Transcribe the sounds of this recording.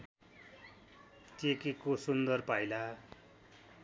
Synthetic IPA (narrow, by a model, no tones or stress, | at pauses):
t̪ekikosund̪ʌrpajla